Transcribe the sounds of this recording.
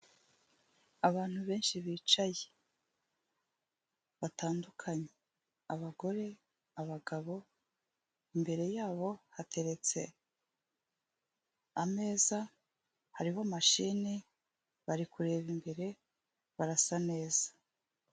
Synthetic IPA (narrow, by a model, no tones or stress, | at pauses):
aβaːn̥huβe̞ːnʃiβiːt͡ʃaje̥ | βataːndukʰaɲe | aβaɡo̞ɾe̞ | aβaɡaβo̞ | imbe̞ɾe̞jaːβo̞hatʰe̞ɾe̞t͡se̞ | ame̞ːza | haɾihomaʃini | βaɾikuɾe̞ːβimbe̞ɾe̞ | βaɾasane̞ːzḁ